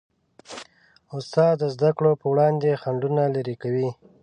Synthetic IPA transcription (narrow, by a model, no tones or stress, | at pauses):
ʊst̪ɑd̪əzd̪akɽopəwɽɑnd̪exaɳɖunalaɾikawi